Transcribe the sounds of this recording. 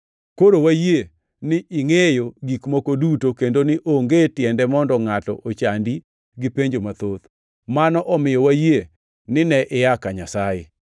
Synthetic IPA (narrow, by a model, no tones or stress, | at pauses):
koɾowaje | nɪʔɪŋejoɡikmokodutokendonɪʔoŋɡetjɛndɛmɔndɔŋatɔ̰ʔot͡ʃandi | ɡɪpeɲd͡ʒomat̪ot̪ | manɔʔɔmɪjɔwaje | nɪnɛʔɪjakaɲasajḛ